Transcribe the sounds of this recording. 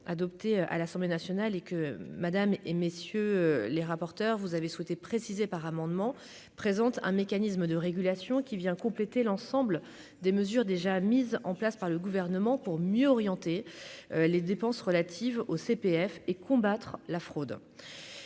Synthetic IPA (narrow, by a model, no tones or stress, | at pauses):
a̰d̪ɔp̚t̪eʔa̰lasɑ̃blenasjɔnalekəmad̪amemesjøleʁapɔʁt̪œʁvuzaveswɛt̪epχesizepaʁamɑ̃d̪mɑ̃ | pχezɑ̃t̪ɛ̃mekanis̬məd̪əʁeɡʲylasjɔ̃kʲivjɛ̃kɔ̃plet̪elɑ̃sɑ̃bl | d̪eməzyʁd̪eʒamizɑ̰̃plaspaʁləɡuvɛʁnəmɑ̃puʁmjøɔʁjɑ̃t̪e | led̪epɑ̃sʁəlat̪ʰivosepeɛfekɔ̃bat̪χlafχod̪